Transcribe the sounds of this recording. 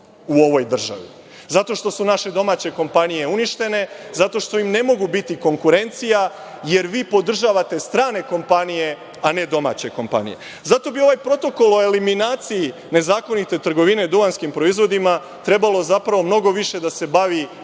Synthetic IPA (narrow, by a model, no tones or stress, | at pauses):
uo̞ʋo̞jd̪r̩ʒa̰ʋḭ | zat̪o̞ʃt̪o̞sunaʃe̞d̪o̞maːt͡ɕe̞ko̞mpanije̞uniʃt̪e̞ne̞zat̪o̞ʃt̪o̞imne̞mo̞ɡubit̪iko̞ŋkuɾe̞nt̪sija | je̞ɾʋiːpo̞d̪r̩ʒaːʋat̪e̞st̪ɾaːne̞ko̞mpanije̞ | ane̞d̪o̞ma̰ːt͡ɕe̞ko̞mpa̰nḭje̞̰ | zat̪o̞bio̞ʋajpɾo̞t̪o̞ko̞lˠo̞e̞liminaːt̪siji | ne̞zaːko̞nit̪e̞t̪r̩ɡo̞ʋine̞d̪uanskimpɾo̞izʋo̞d̪ima | t̪ɾe̞balo̞zapɾaʋo̞mno̞ɡoʋiʃe̞d̪ase̞baʋi